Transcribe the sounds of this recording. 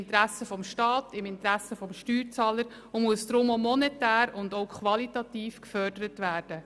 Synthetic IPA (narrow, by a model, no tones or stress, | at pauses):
ntɾæsəfɔmʃtɑːtɪmɪntɾæsəfɔmʃtyːɾt͡sɑːləɾ | ʊmuəsdɾʊmomɔnɛtæːɾʊndoʊkχʋɑlitɑtiːfkfœdəɾətʋæːɾd̥ə